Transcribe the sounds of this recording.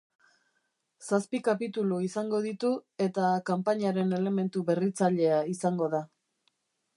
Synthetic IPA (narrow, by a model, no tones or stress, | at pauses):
saspikapit̪uluisaŋɡo̞ðit̪ue̞t̪akampaɲaɾe̞ne̞le̞me̞nt̪uβe̞rit͡saʎe̞aisaŋɡo̞ða